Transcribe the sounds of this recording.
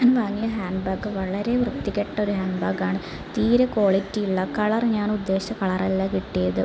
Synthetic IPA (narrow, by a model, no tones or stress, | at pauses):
anʋaːŋːijɐɦaːnɖbɐːɡɨʋɐɭɐɾe̞ʋrɨt̪ːikʲːeʈːɐo̞ɾuhaːɳbaːɡaːɳɨ | t̪iːɾeko̞ːɭitːijiɭːɐkɐɭɐrɲaːnud̪ːe̞ːɕɐkɐɭɐrɐlːakiʈːijɐðɨ